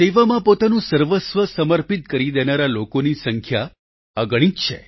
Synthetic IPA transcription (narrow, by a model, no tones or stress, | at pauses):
t̪eʋamãpot̪anũsəɾʋəsʋəsəməɾpit̪̚kəɾid̪enaɾalokonisəŋkʰja | əɡɭ̃ĩtt͡ʃʰḛ